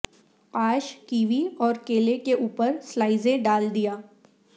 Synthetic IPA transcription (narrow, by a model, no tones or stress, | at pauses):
aːʃkiːʋiɔːɾkeːlekeʔuːpəɾslaːɪzẽɖaːld̪ijaː